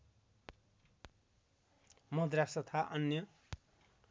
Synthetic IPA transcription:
mʌd̪rasʌt̪ʰaʔʌnjʌ

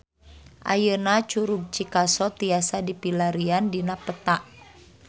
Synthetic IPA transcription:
ʔa̰jənat͡ʃuɾub̚t͡ʃikasɔt̪iasadipilaɾiandinapət̪aʔ

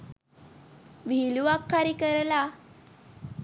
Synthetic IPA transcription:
ʋiluʋakʰːaɾikəɾla

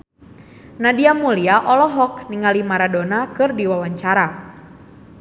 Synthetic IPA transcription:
nadiamuliaʔɔlɔɦɔkniŋalimaɾadɔnakɨrdiwawaɲt͡ʃaɾa

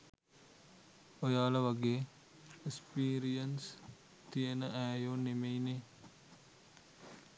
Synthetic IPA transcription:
ojaːlɐʋɐɡeː | ekspiːɾijɐns | t̪ijenɐʔæːjoːnemejne

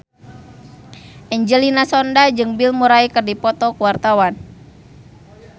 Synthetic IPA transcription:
ʔɛɲd͡ʒəlinasɔndad͡ʒɨŋbilmuɾaikərdipɔt̪ɔkuwart̪awan

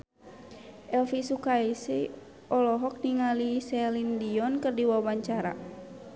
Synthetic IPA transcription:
ʔɛlfisukaisi | ɔlɔɦɔk̚niŋalisɛlindiɔnkɨrdiwabaɲt͡ʃaɾa̰

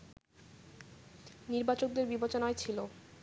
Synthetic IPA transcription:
niɾbat͡ɕok̚d̪eɾbibot͡ɕonaet͡ɕʰilo

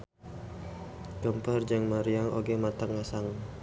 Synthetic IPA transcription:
d͡ʒɔmpard͡ʒaŋmaɾiaŋo̰ɡɛmat̪aŋasaŋ

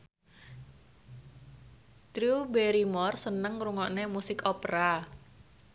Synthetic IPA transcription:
t̪ɾubeɾimɔrsənəŋɾuŋɔʔnemusɪkɔpɾa

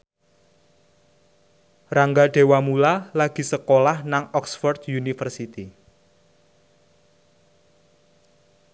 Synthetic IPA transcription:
raŋɡaɖ̥e̤wamulalaɡ̥i̤səkolahnaŋɔksfɔrt̪junifərsit̪i

